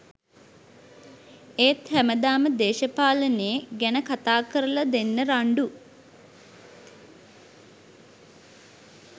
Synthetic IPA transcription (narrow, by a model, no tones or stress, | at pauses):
eːt̪hæməd̪aːməd̪eːʃəpaːləneːɡænəkat̪aːkəɾəlad̪enːəɾaɳɖu